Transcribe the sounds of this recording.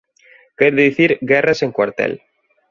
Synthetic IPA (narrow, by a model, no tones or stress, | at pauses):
kɛɾðiθiɾɡɛraseŋkwaɾt̪ɛ̰l